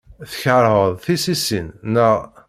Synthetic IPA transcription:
θə̥çɾˤʁəðˤθisisinːəʁ

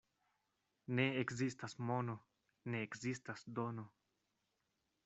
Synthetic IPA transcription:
ne̞ekzistasmo̞no̞ | ne̞ːkzistasdono

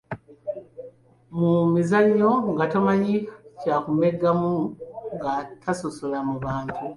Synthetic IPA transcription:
mumizaɲːo̞ŋɡatomaɲikacakumeɡːamuŋɡatʰasosolamuβaːntʰu

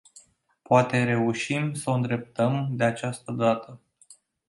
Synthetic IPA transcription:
poat̪e̞ɾe̞uʃimsəoɨnd̪ɾe̞p̚t̪əmd̪eat͡ʃast̪əd̪at̪ə

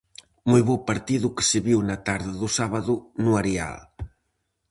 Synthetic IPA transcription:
mujβopaɾt̪iðuke̥seβiwnat̪aɾðaðusaβaðunuaɾea̰l

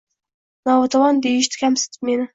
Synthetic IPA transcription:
nɑwat̪ʰawɑnd̪ejɪʃt̪ʰɪ̥kʲʰamsɪ̥t̪ʰɪ̥pmenɪ

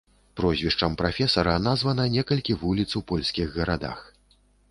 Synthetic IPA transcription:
pɾɔzʲvʲiʂt͡ʂɐmpɾafʲɛsɐɾɐnazvɐnɐnʲɛkɐlʲkʲivulʲit̪swpɔlʲsʲkʲiɣːɐɾad̪a̰x

